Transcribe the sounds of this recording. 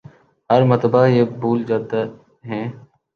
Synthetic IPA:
ɦəɾmət̪əbaːjeːbuːld͡ʒaːd̪a | ɦɛ̃ː

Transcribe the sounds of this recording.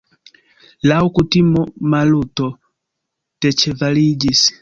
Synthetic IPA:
laukutimɔmalutɔ | tɛt͡ʃɛvalid͡ʒisi̥

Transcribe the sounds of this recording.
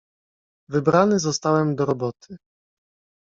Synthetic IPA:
vɘbɾanɘzɔst̪awɛmd̪ɔɾɔbɔt̪ʰɘ

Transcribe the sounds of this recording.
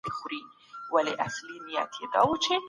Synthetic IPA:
ixʊɾi | waleʔaslinija̰t̪ʰjed̪a̰wut͡ʃʰɪ

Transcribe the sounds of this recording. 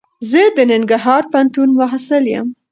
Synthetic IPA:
zəd̪ənɪŋɡaɾɦɑɾpant̪unmʊɦasaljə̰m

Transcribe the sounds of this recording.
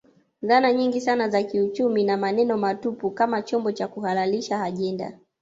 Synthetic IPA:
zanaɲiŋɡisanazakiut͡ʃuminamanɛnɔmatupukamat͡ʃɔmbɔt͡ʃakuhalaliʃaːʄɛnda̰

